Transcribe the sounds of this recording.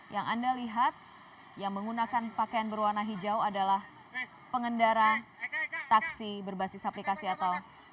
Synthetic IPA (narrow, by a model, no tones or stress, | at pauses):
jaŋandaliɦat̪̚ | jaŋməŋunakanpakajanbərwarnaɦid͡ʒawadalah | pəŋəndaɾa | t̪aksibərbasɪsaplikasiat̪aw